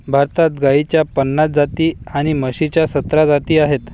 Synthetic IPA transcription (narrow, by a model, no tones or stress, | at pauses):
bʱaɾt̪at̪ɡait͡ɕjapənːat͡s̪̚d͡zat̪iːaɽ̃iməɕit͡ɕjasət̪ɾad͡zat̪iːaɦet̪